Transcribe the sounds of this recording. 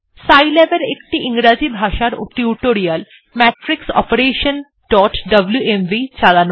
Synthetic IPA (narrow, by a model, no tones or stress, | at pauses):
sajlebeɾekʈiʔiŋɾad͡ʑibʱaʃaɾo̰ʈiuʈoɾiəl | mɛʈɾiksɔ̰peɾeːʃən | ɖ̥ɔːʈɖɐbljuʔemʋit͡ɕalan